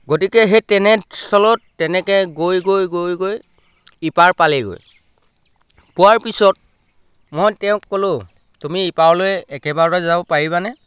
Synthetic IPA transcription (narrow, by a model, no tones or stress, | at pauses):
ɡot̬ikɛɦetɛnɛstʰɔlɔtːɛnɛkɛɡojɡojɡojɡoj | ipaɹpalɛɡo̰j | puwaɹpisɔt̚ | mojtɛʊ̃kːolʊ | tumiːpawlojɛkɛbaɹɔzabɔpaɹiβanɛ